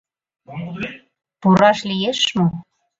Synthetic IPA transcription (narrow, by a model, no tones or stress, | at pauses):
puɾɑʃlijeʃmo